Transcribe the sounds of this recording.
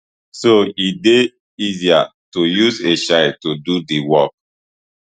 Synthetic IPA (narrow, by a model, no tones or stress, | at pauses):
soide | iziatujuzeʃaɪtodudiwɔk̚